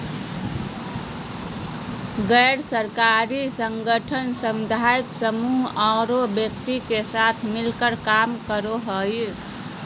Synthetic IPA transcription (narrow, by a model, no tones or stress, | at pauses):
ɡəɾsəɾkaɾisəŋɡəʈʰənsəmd̪ʱait̪səmuɦaɾobjək̚t̪ikesat̪ʰmilkəɾkamkəɾoɦəj